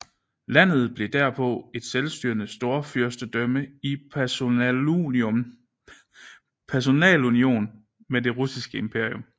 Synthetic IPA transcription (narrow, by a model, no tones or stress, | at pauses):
læn̰ð̞̩ˠb̥le̝d̥æɐ̰pʰɒ̽e̝d̥selsd̥y̰ːɐnəsd̥o̝ɐfyɐsd̥əd̥œməi | pʰæɐs̬o̝nɛ̰ːlunio̝̰ːn | med̥e̝ʁusisɡ̥əe̝mpʰe̝ɐ̰ijo̽m